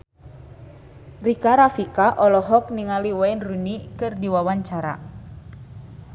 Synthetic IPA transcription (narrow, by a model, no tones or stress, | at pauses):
rikaɾafikaʔɔlɔɦɔk̚niŋaliwainrunikɨrdiwawaɲt͡ʃaɾa̰